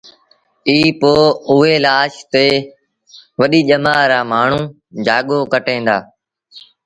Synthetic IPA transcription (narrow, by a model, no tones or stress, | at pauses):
iːpoːʊːeːlaːʃt̪eː | ʋəɗiːʄəmaːɾaːmaːɳ̤ũː | d͡ʒaːɠoːkəʈẽːnd̪a̰ː